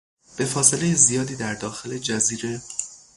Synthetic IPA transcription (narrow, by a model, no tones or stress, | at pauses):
b̥e̞fɒːse̞le̞jezijɒːd̪iːd̪æɾd̪ɒːxe̞le̞d͡ʒæziːɾe̞